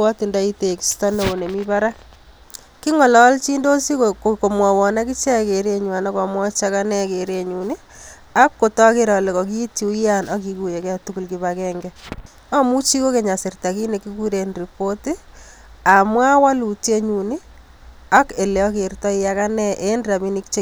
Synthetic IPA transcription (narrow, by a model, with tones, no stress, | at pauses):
ɔ˦ti˨nda˦i˦te˨kstɔ˦ne˨wo˨ne˨mi˦pa˦ɾa˦ | ki˦ŋɔ˨lɔ˦lt͡ʃi˦ndo˦si˦koko˨mwa˨wɔ˨na˦ki˦t͡ʃɛ˦ke˨ɾe˦ɲwa˨na˦kɔ˨mwɔ˦t͡ʃa˦ka˦nɛ˦ke˨ɾe˦ɲu˨ni˦ | a˦kːo˨tɔ˦ke˦ɾɔ˨le˨kɔ˨ki˦ti˨u˦i˦ja˦nɔ˦ki˦ku˨je˨ka˨tuku˦lki˨βakɛ˦ŋɡɛ | a˦mu˦t͡ʃi˦ko˦ke˨ɲa˨sɪ˨rta˨ki˦ne˨ki˦ku˦ɾe˨nri˨po˦ti˦ | a˨mwa˦wa˦lu˨te˦ɲu˨ni˦ | a˦ke˨le˨ɔ˦ke˨rtɔ˦i˦ja˦ka˦nɛ˦ʔe˦ndɾa˨mi˦ni˦kt͡ʃe˦